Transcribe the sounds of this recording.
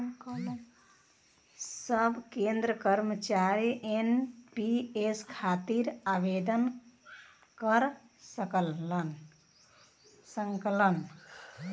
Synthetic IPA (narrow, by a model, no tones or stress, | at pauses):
ŋkəl | səbʱkẽnd̪ɾəkəɾmət͡ʃaɾiʔenpieskʰat̪iɾabed̪ən | kəɾ | səkəlːən | səŋklən